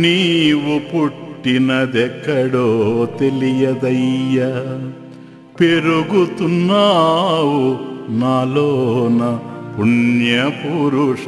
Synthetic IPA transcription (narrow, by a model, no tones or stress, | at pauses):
niːʋupuʈːinɐd̪ɛkːɐɽoːt̪e̞lijɐd̪ɐjːɐ | peɾuɡut̪unːaːwunaːloːnɐpuɳjɐpuɾuʂ